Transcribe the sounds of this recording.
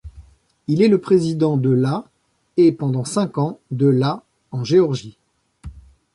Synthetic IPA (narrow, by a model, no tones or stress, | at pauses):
ilɛləpχezid̪ɑ̃d̪əla | epɑ̃d̪ɑ̃sɛ̃kɑ̃d̪əla | ɑ̃ʒeɔʁʒi